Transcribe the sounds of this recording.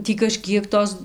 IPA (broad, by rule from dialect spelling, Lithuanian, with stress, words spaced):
ˈtʲiː kɐˈʃʲkʲiɛk ˈtoːs